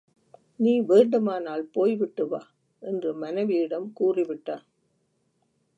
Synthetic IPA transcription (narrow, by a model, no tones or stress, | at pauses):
niːʋeːɳɖɯmaːnaːlpoːjʋɪʈːɯʋaː | ʔɛndrɯmɐnɐʋɪjɪɽɐmkuːrɪʋɪʈːaːn